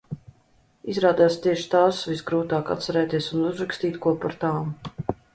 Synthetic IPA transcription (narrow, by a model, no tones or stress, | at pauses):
izɾaːd̪ajast̪iɛʃi̥t̪aːsvisɡɾuːt̪aːka̰t̪t̪sɛɾɛːt̪iɛsunuzɾakst̪iːt̪kuɔpaɾt̪aːm